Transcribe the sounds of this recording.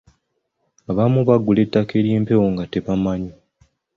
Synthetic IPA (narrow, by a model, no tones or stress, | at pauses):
aβamuβaɡule̞tːakeɾjeːmpe̞woŋɡate̞βamaɲo